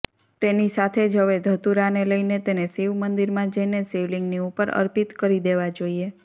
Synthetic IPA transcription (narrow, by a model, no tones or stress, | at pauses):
t̪enisat̪ʰed͡ʒɦəʋed̪ʱət̪uɾaneləjnet̪enesiʋmənd̪iɾmãd͡ʒəjneseʋliŋɡniupəɾə̰ɾpit̪kəɾid̪eʋad͡ʒoie